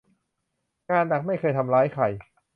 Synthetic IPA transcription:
kaː˧nda˨˩k̚ma˥˩jkʰɤː˧jt̪ʰa˧mɾaː˦˥jkʰa˨˩j

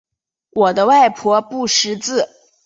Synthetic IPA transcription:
wɔ˨˩d̪ə˦wa˥˩ɪpʰwɔ˧˥pu˥˩ʂɻ̩˧˥t͡sɹ̩˥˩

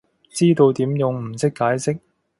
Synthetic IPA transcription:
t͡siː˥t̪o˧wt̪iː˨˥mjʊ˨ŋm̩˨˩sɪ˥kːaː˨˥jsɪ˥k̚

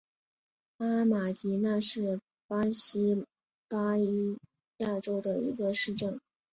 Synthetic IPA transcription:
a˥ma˨˩t̪i˧˥na˥˧ʂɻ̩˥˩ | pa˥ɕi˥ | pa˥i˧˥ | ja˥˩ʈ͡ʂo˥ʊd̪ə˨ḭ˧˥ɡə˧ʂɻ̩˥˧ʈ͡ʂɤ˥˩ŋ

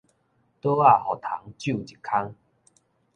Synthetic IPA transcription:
t̪o˦a˥˧˨hɔ˨˩t̪ʰa̰˨˦ŋt͡ɕju˥˨t͡ɕi˨˩kʰːa˦ŋ

